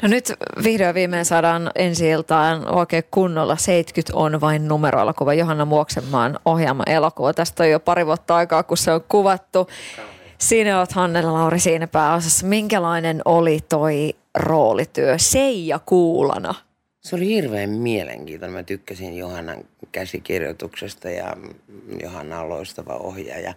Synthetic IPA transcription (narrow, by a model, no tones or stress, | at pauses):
nonyt̪ʋihdoɑʋiːmẽːnsɑːdɑːnensiilt̪ɑino̰ikeːkkunːolːɑseit̪kyt̪ʰonʋɑinnumeɾʔo̰elo̰kuʋɑjoɦɑnːɑmuoksemːɑ̰ːnohjɑːmːɑ̰ʔelokuʋɑt̪æst̪ojopɑɾiʋuot̪ːɑɑikɑːkusseoŋkuʋɑt̪ːu | siːnæoɑt̪hɑnːellɑuɾisiːnæpæːosɑsːɑmiŋkælɑinenolit̪oi | roːlit̪yøseijɑkuːlɑ̰nɑ̰ | seolihirʋeːmmielḛŋkiːnonemæt̪ykːæsinjohɑnːɑŋ | kæsikirjo̰t̪uksest̪ɑjɑ̰jo̰hɑnːɑlːo̰ist̪ɑʋɑ̰o̰hjɑjɑ̰